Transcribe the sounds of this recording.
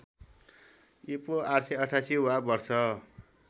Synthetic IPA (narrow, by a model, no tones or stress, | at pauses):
ipoarseʌʈʰasiuabʌrsʌ